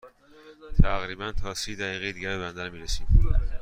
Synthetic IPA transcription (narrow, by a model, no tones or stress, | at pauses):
t̪ʰæɣɾiːbænt̪ʰɒːsiːd̪æɣiːɣeed̪iːɟæbe̞bænd̪æɾmiːɾesiːd̪̥